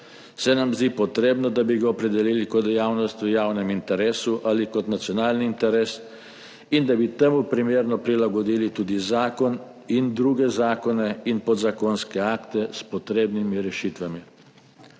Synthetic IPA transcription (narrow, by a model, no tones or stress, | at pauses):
sɛnamzd̪iːpɔt̪ɾeːbnɔd̪abiɡaɔpɾɛd̪ɛliːlikɔd̪jaːwnɔst̪jujaːwnɛmint̪ɛɾeːsuʔalikɔt̪nat̪sjɔnaːlniːnt̪ɛɾeːs | ind̪abit̪ɛmupɾimeːɾnɔpɾilaɡɔd̪iːlit̪uːd̪izaːkɔn | ind̪ɾuːɡɛzaːkɔnɛinpɔd̪zakonskɛaːkt̪ɛspɔt̪ɾeːbnimiɾɛʃiːt̪ʋami